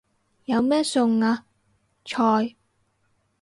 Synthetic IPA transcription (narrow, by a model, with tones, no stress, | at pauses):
jɐ˨˧wmɛː˥sʊ˨˧ŋaː˧ | t͡ʃʰɔː˧j